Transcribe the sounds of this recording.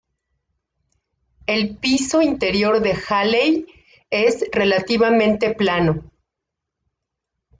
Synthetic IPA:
e̞lpiso̞int̪eɾjo̞ɾðe̞xalej | e̞zre̞lat̪iβamẽ̞nt̪e̞plano̞

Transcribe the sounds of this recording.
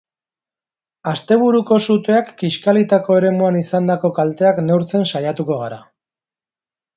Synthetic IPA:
ast̪e̞β̞uɾuko̞sut̪eakːiʃkalit̪ako̞e̞ɾe̞muanisand̪ako̞kalt̪e̞akne̞wɾt͡se̞nsajat̪uko̞ɣ̞aɾa̰

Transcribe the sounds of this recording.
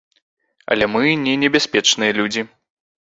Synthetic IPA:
ɐ̰lʲɛmɨnʲɛnʲɛbʲasʲpʲɛt͡ʂnɨjɐlʲud͡zʲi

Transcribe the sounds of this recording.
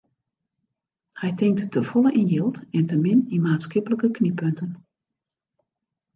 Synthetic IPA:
hɛjtɪŋk̚ttəfɔləʔinjɪlˠtɛntəmɪninmaːtsxɪpələkəknipøntən

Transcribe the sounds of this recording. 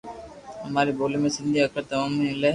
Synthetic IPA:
ɦɐmaːɾiboːlemẽsɪ̃nd̪ʱiɐkɾət̪ɐʋɐmẽle

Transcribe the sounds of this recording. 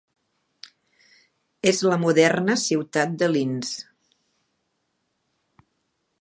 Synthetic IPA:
ezləmuðɛrnəsiwt̪at̪̚d̪əlins

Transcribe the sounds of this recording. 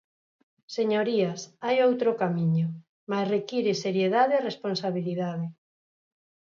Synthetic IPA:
seɲoɾiasajowt̪ɾokamiɲo | masrekiɾɪseɾjeðaðearesponsaβiliðað̞ɪ

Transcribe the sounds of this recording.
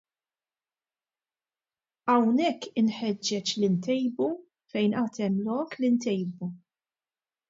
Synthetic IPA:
ɐwnɛkːɪnħɛd͡ʒːɛt͡ʃlint̪ɛjbu | fɛjnʔɐːt̪ɛmlɔːklint̪ɛjbu

